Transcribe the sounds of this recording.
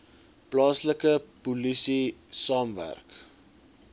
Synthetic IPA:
plɑːsləkəpulisisɑːmvæ̰rk

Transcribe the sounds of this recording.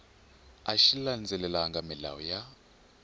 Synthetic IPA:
aʃiland͡zʱɛlɛlaŋɡamila̰wɔja

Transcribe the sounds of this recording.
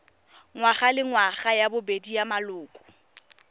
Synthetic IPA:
ŋwaχalɪŋwaχajabʊbedijamalʊːkʼʊ̥

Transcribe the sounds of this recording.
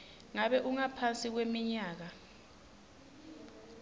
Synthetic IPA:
ŋaɓɛʔuŋapʰansʼik̬wemiɲaːk̬a

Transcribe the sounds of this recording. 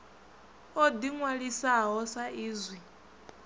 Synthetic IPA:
ɔd̪iŋwaɺisaɦɔsaiːzwi

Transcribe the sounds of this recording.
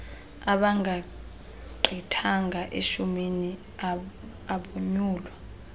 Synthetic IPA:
aɓaŋɡʱa | ǃʱitʰaŋɡʱaʔeʃumini | aɓoɲuːlwa

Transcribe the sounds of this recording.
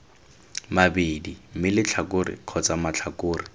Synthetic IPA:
mabedim̩mɪlɪt͡ɬʰakʊrɪ̰q͡χʰɔt͡samat͡ɬʰakoːrɪ

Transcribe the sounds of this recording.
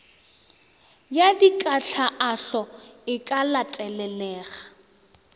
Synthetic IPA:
jadikʼaɬʰaʔaɬɔɪkʼalatʼɛlɛlɛːɣa

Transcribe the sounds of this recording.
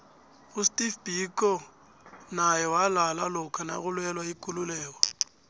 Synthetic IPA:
ɣʊstʼifbikʼɔ | najɔwalalalʊkʰana̰ɣʊlwɛlwaikʼʊlʊlɛːk̬wa

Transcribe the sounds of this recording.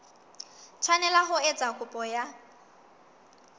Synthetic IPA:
t͡ʃʰanɛlaɦʊɛt͡sʼakʼʊpʼɔja

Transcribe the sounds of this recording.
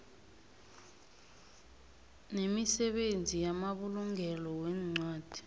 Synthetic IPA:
nemisɛɓend͡zʱijamaɓuluŋɡʱɛlɔwɛːŋ͡ǀwaːd̥ʱi̥

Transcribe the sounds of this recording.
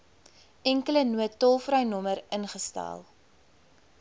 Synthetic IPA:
ɛŋkələnuətːɔlˠfɾœɥnɔməɾənχəstæ̰ːlˠ

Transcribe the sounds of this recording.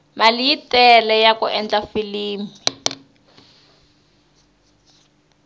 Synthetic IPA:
malijitɛlɛjakṵʔɛnd͡ɮafiliːmi

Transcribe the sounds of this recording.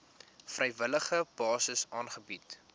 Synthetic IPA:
frʔɛjvələχəb̥ɑːsəsɑːnχəbit

